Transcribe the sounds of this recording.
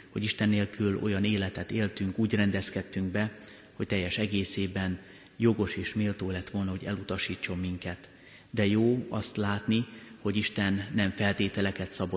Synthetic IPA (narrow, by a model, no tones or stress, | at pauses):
ho̞ɟiʃt̪ɛnːeːlkylo̞̰jɒneːlɛt̪ɛt̪eːlt̪yŋkuːɟrɛnd̪ɛskɛt̪ːyŋɡbɛ | ho̞c̚t̪ɛjːɛʃɛɡeːseːbɛn | jo̞ɡo̞ʃeːʃmeːlt̪oːlɛt̪ʋo̞lnɒɦo̞ɟɛ̰lut̪ɒʃiːt͡ʃːo̞mːiŋkɛt̪ | d̪ɛjoːɒst̪laːt̪niho̞ɟiʃt̪ɛnːɛɱfɛlt̪eːt̪ɛlɛkɛt̪sɒbo